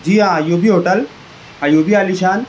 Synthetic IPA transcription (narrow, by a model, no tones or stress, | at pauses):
d͡ʑiːajobiɦoːʈəl | ajoːbiaːliʃaːn